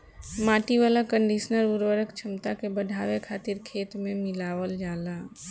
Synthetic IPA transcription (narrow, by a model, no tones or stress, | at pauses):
maːʈiʋalakə̃ɳɖisnəɾuɾwəɾəkt͡ʃʰəmt̪akebəd̪ʱaːʋekʰaːt̪ɪɾkʰeːt̪mẽmɪlaːwəld͡ʒaːla